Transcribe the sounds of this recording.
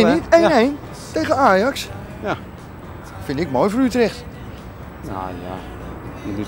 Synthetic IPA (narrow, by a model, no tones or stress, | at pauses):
nitenejn | tejɣəaːjɑks | fɪndɪk̚moːjfoɹytrɪxt | na̰ja̰